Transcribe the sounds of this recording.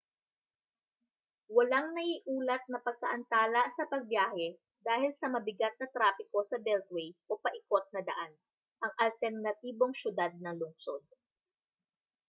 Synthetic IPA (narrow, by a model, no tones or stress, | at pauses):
wɐlaŋnɐʔiʔuːlɐt̪̚nɐpɐɡ̚kɐʔɐnt̪aːlɐsɐpɐɡ̚bjaːhɛ | d̪aːhɪlsɐmɐbɪɡat̪̚nɐt̪ɾaːpɪko̞sɐbɛlt̪̚wɛjʔopɐʔɪkot̪̚nɐd̪ɐ̰ʔan | ʔɐŋʔɐlt̪ɛɾnɐt̪iːbo̞ŋʃjʊd̪ad̪̚nɐŋlʊŋsod̪̚